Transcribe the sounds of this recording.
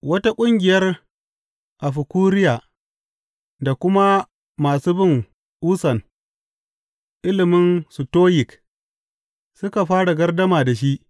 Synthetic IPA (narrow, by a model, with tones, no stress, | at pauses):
wɐ˦ta˦kʷʼʊ˦ŋɡʲɪ˨jɐ˦r | ʔa˨ɸɪ˨kuː˦ɾɪ˦jaː˨ | da˨kʷʊ˦ma˦ | maː˨suː˦bɪ˦˨ŋ | ʔuː˦sɐ˨n | ʔɪ˦lɪ˨mɪ˦nsu˨toː˦jɪ˨k | sʊ˦ka˨ɸaː˦ɽa˨ɡɐ˦rdɐ˦maː˨da˨ʃ̬i˦ʔ